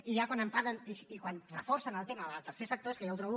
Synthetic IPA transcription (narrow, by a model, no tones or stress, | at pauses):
iʒakwanəmpaðənisikwanrəfoɾsanalˠt̪emaəlt̪əɾsesək̚t̪oeskəjawt̪ɾoβ